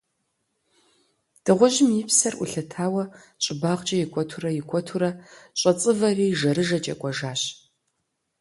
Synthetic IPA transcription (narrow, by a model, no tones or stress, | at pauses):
d̥ɨʁʷɔʒɪmjɪpsɐrʔʊ̰ɬɐtʰaːwɐɕʼɪbaʁt͡ʃʼɐjɪkʷʰʼɔtʰurɐjɪkʷʰʼɔtʰuɾɐɕʼɐt͡sʼɨvɐriːʒɐɾɨʒɐt͡ʃʼɐ̰kʷʼɔʒaːɕ